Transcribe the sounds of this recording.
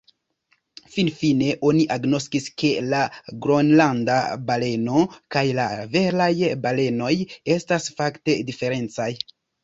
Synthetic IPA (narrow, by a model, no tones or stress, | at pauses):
finfine̞ʔo̞niʔaɡno̞skiske̞laɡɾonlandabale̞no̞kajlave̞lajbale̞no̞je̞stasfakte̞dife̞ɾe̞nt͡saj